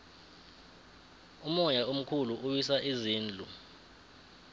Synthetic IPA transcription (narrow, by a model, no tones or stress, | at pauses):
umɔjaom̩kʰuluʔuwisaʔiziːnd͡ɮʱu